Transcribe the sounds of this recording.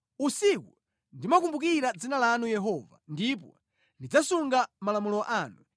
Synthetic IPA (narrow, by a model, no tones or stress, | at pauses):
usiku | ndimak̬umbuk̬iɾad͡zinalanujɛɦɔva̰ndip̬ɔ | ndid͡zasuŋɡamalamulɔʔaːnu